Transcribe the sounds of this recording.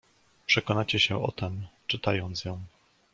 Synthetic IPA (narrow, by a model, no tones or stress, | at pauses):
pʂɛkɔnat͡ɕɛɕɛʔɔ̰t̪ɛmt͡ʂɘt̪ajɔnt̪sjɔ̃w̃